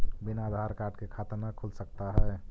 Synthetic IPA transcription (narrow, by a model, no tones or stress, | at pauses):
bɪnaːd̪ʱaːɾkaːɾʈkekʰaːt̪əɾnakʰulsək̚t̪aɦɛː